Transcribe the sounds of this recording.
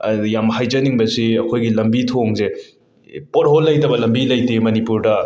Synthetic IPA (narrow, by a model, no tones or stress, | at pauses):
jamhajd͡ʒɐniŋbɐsiɐkʰojɡilɐmbitʰoŋze | potɦolːɐjtɐbɐlɐmbilɐjtemɐnipuɾdɐ